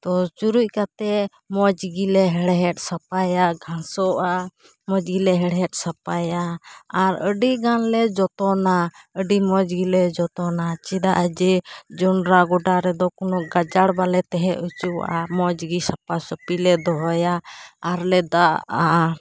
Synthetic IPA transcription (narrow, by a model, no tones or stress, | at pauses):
t̪ɔt͡ʃuɾuc̚kat̪ɛ | mɔd͡ʒɡilɛɦɛɽɦɛʈ̚sapajaɡʱãsɔʔa | mɔd͡ʒɡilɛɦɛɽɦɛʈ̚sapajaːɾəɖiɡanlɛd͡ʒɔt̪ɔnaəɖimɔd͡ʒɡilɛd͡ʒɔt̪ɔnat͡ʃid̪aʔəd͡ʒɛd͡ʒɔnɾaɡɔɖaɾɛd̪ɔkɔnɔʔɡad͡ʒaɽbalɛt̪ɛɦɛut͡ʃuʔa̰mɔd͡ʒɡisapasɔpilɛd̪ɔɦɔjaːɾlɛd̪aʔa